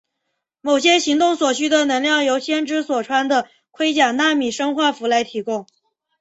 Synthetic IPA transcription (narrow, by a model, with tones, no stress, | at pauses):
mo˨˩ʊɕjɛ˥ɕi˧˥ŋt̪ʊ˥˩ŋswɔ˨˩ɕy˥d̪ə˨nɤ˧˥ŋljɑ˥˩ŋjo˧˥ʊɕjɛ˥nʈ͡ʂɻ̩˥swɔ˨˩ʈ͡ʂʰwa˥nd̪ə˨ | kʰwe˥ɪt͡ɕja˨˩ŋna˥˩mi˨˩ʂɤ˥ŋxwa˥˩fu˧˥la˧˥ɪt̪ʰi˧˥kʊ˥ŋ